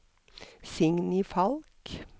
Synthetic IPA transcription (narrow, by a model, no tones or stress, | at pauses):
sɪŋnɪfɑlk